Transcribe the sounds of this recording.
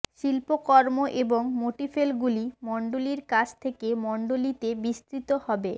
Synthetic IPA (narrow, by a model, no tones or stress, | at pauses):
ʃilpokɔɾmoʔeboŋmoʈifelɡulimɔɳɖoliɾkat͡ɕʰt̪ʰekemɔɳɖolit̪ebist̪ɾit̪ohɔbe